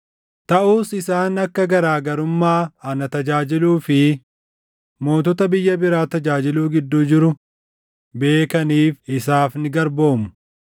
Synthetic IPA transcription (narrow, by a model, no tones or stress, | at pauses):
t̪ɐʔuːsɪsaːnɐkːɐɡɐɾaːɡɐɾʊmːaːɐnɐt̪ɐd͡ʒaːd͡ʒɪluːfɪ | mo̞ːt̪ɔt̪ɐbɪjːɐbɪɾaːt̪ɐd͡ʒaːd͡ʒɪluːɡɪd̪ːuːd͡ʒɪɾʊ | be̞ːkɐniːfɪsaːfnɪɡɐɾbo̞ːmʊ̥